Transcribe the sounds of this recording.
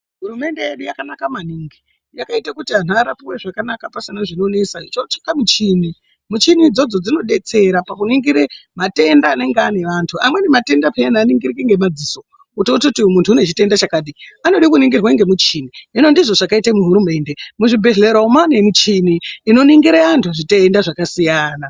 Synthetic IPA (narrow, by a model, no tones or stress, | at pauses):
ɦuɾume̞nde̞jeɗujakanakamaniːŋɡi | jakaitakutian̤uaɾapiwe̞ʐakanakapasinaʐino̞ne̞sait͡ʃot͡ʃi̥kamut͡ʃini | mut͡ʃinid͡zo̞d͡zo̞d͡zino̞ɗe̞t͡se̞ɾapakuniŋɡiɾemate̞ndaːne̞ŋɡane̞ʋantʰuamwe̞nemate̞ndapeanaːniŋɡirikiŋɡe̞mad͡ziso̞ | utototimuntʰuːne̞t͡ʃite̞ndat͡ʃakaːɗiano̞ɗikuniŋɡirwaŋɡe̞mut͡ʃiːniɦino̞ndiʐo̞ʐakaitamuɦuɾume̞ːnde̞muʐibʱe̞ɮeɾaumanemit͡ʃiniːno̞niŋɡiɾeantʰuaʐiteːndaʐakasijaːna